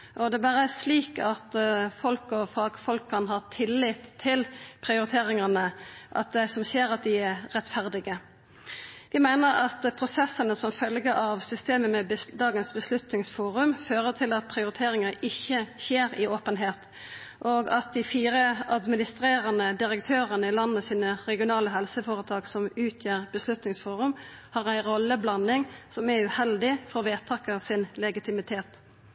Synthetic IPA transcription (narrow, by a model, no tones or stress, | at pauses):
ʔɔd̪ɛbɑːɾəæsliːkɑt̪fɔlkɔfɑːɡfɔlkʰːɑnɦɑːt̪ʰɪlːɪt̪ʰːɪlpʰʁɪʊɾɪt̪ʰeːɾɪŋənəʔɑ̰t̪̚d̪æɪsɔmseːɾɑt̪̚d̪ɪæʁɛt̪fæʁd̪ɪɡə | ʋɪmæɪnəɾɑt̪pʰɾʊsɛsənəsɔmfœlɡəʔɑʋsʏst̪eːməmɛbəd̪ɑːɡənsbəslʉt̪nɪŋsfuːɾʉmføːʁət̪ʰɪlɑt̪̚pʰɾɪʊɾɪt̪ʰeːɾɪŋəɪçːəçeːɾɪoːpənɦeːt̪ | ʔoːɡɑt̪̚d̪ɪfiːɾəɑd̪mɪnɪst̪ɾeːɾənəd̪ɪɾəkt̪ʰøːʁənəɪlɑnəəsiːnəʁɛɡɪʊnɑːləɦɛlsəfoːʁət̪ʰɑːɡsɔmʉːt̪ʰjøːʁbəslʉt̪nɪŋsfuːʁʉmhɑːʁæɪɾɔlːəblɑnɪŋsɔmæʉhɛld̪ɪfɔʁʋeːt̪ʰɑkəʁsɪnlɛɡɪt̪ɪmɪt̪ʰeːt̪